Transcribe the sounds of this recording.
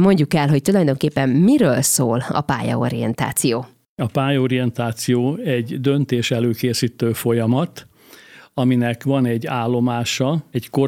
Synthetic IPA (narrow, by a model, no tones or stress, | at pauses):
mo̞ɲɟukɛlɦo̞c̚t̪ulɒjd̪o̞ŋkeːpːɛmːiɾøːlsoːlɒ̰pa̰ːjɒ̰o̰ɾijɛ̰nt̪a̰ːt̪sijoː | ɒpaːjo̞ɾijɛnt̪aːt̪sijoːɛɟd̪ø̞nt̪eːʃɛløːkeːsiːt̪øːfo̞jɒmɒt̪ | ɒminɛkʋɒnɛɟːaːlːo̞maːʃɒɛɟko